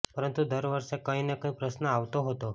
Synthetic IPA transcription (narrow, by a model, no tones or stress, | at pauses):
pəɾənt̪ud̪əɾʋəɾʂekəinekə̃ĩpɾəsnəaʋt̪oɦot̪o